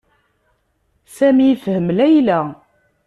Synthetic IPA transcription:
sæmifhəmlæjlæ

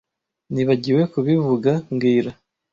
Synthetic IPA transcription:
niβaɟiwe̞kuβivuɡaŋɡiːɾa

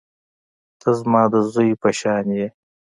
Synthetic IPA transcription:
t̪ʰəzmɑːd̪əzojpɐʃɑːnje

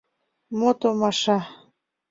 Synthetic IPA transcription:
mot̪omɑʃɑ

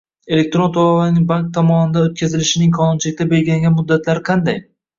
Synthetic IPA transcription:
e̞lek̚ʲt̪ɾo̞nt̪ʰolavanɪŋbaŋk̚t̪ʰɒmɒnɪd̪aot̪̚kʲʰazɪlɪʃɪnɪŋkʰɒnɪnt͡ʃʰɪlɪkʲt̪ʰabe̞lʲɡʲɪlaŋʲanmʊd̪ːat̪ʰlaɾɪqʰɑnd̪aj

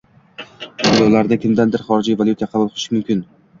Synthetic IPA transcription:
b̪ʊlˠɒlaɾnɪkʲʰɪmd̪and̪ɪɾχɒɾɪd͡ʒijvalʲˠjut̪ʰajqʰɑbʊlˠqʰlˠʃɪmʊmkʲɪn

